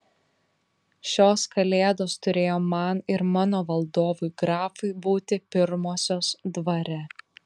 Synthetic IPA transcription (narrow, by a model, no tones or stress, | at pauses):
ʃʲoːskɐlʲeːd̪oːst̪ʊɾʲeːjoːmɐnɪɾmɑːnoːʋɐlˠd̪oːʋʊjɡɾɑːfʊɪbuːt̪ʲɪpʲɪɾmoːsʲoːsd̪ʋɐɾʲɛ